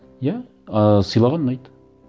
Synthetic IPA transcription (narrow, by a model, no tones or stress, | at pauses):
jæ | sɯ̆jlˠɑʁɑnːɑjt̪